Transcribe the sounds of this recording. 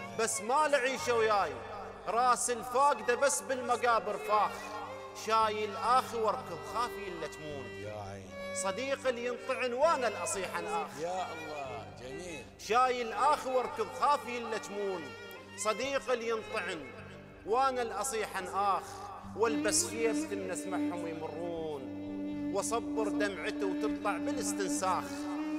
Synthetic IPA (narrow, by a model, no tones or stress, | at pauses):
basːmalɪʕiːʃawjaːj | ɾˤɑːsɪlfaːɡd̪abasːbɪlmaɡaːbɪɾfaːx | ʃaːjɪlʔaːxwɑɾˤkɨðˤxaːfiɪlːat̪muːn | aj | sˤɑd̪iːqaljɪnt̪ˤɨʕɪnwaːnalʔɑsˤiːħanʔaːxjalːɑːd͡ʒamiːl | ʃaːjɪlʔaːxiwɑɾˤkɨðˤxaːfiɪlːat̪muːn | sˤɑd̪iːqaljɨnt̪ˤɨʕɪn | waːnalʔɑsˤiːħanʔaːx | wɪlbasxijabt̪ɪmnasmaħhʊmwɪjmʊrˤːuːnwɑsˤɑbːɨɾd̪amʕɪt̪uwt̪ɨblˤɑʕmɪnɪst̪ɪnsaːx